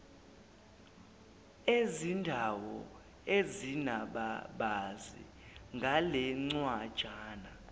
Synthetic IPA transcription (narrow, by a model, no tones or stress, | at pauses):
ezindʱawɔ | ezinaɓaɓazḭ | ŋɡʱalɛŋ͡ǀwad̥ʒ̥ʱaːna